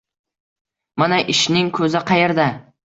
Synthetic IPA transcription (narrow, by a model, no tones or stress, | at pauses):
manaʔɪʃnɪŋkʰɵzɪqʰɑjeɾd̪a